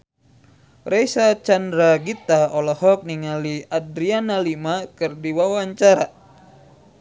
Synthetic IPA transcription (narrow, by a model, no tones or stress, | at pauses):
rejsat͡ʃandɾaɡit̪aɔlɔhɔk̚niŋaliadɾianalimakɨrdiwawaɲt͡ʃaɾa